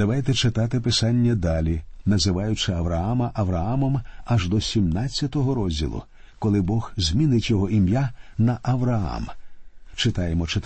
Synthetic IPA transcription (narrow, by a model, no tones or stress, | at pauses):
d̪̥ɐʋajt̪ɛt͡ʃɪt̪ɑt̪ɪpɪsɑnʲːɐd̪ɑlʲinɐzɪʋɑjʊt͡ʃɪɐʋɾɐɑmɐʔɐʋɾɐɑmɔmɐʒd̪ɔsʲimnɑt͡sʲːɐt̪ɔɦɔɾɔzʲdʲḭlˠʊ̰ | kɔlˠɪbɔɣzʲmʲinɪtʲjɔɦɔimjanɐʔɐʋɾɐɑ̰mt͡ʃɪt̪ɑjemɔt͡ʃɪt̪